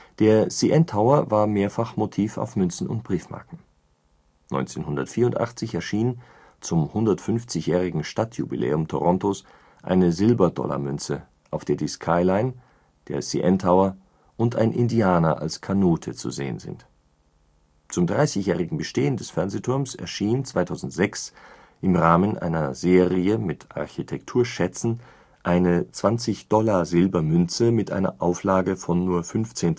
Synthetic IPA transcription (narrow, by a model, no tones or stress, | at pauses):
d̥eːɐsiʔɛntʰhaʊɐvaːɐmeːɐfaχmotʰiːfa̰ʊfmʏnt͡sn̩ʊ̰ntb̥ʁiːfma̰ɐkŋ̩ | nɔ̰ʏnt͡seːnhʊndɐtfiːɐʊntʔa̰χt͡sɪçɛɐʃiːnn | t͡sʊmhʊndɐtfʏnft͡sɪçjɛːʁ̞ɪɡŋ̩ʃtatʰjṵbḭlʔḛːʊmtʰoʁɔntos | ʔa̰ɪnəzɪlbɐdɔ̰la̰mʏnt͡sə | ʔaʊfd̥eːɐdiskʰaɪlaɪn | d̥eːɐsḭʔɛntʰhaʊɐ | ʔʊntʔa̰ɪnʔɪ̰ndiaːnɐ̰ʔa̰lskʰanoːtʰət͡sṵzḛːə̰nzɪ̰nt | t͡sʊmdʁaɪsɪçjɛːʁɪɡŋ̩bəʃteːəndɛsfɛɐnzetʰʊɐmsɛ̰ɐʃiːnt͡sv̥aɪtʰaʊzn̩tz̥ɛks | ʔɪmʁaːmənʔa̰ɪnɐzeːʁiəmɪtʰʔa̰ɐçitʰɛktʰuːɐʃɛt͡sn̩ | ʔaɪnət͡sv̥ant͡sɪçd̥ɔlazɪlbɐmʏnt͡səmɪtʔa̰ɪnɐ̰ʔaʊflaːɡəfɔnːuːɐfʏnft͡seːn